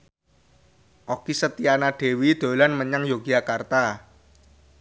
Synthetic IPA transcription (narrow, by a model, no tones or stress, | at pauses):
ʔokisət̪ianaɖ̥e̤wid̪̥o̤lanməɲaŋjoɡ̥iakart̪a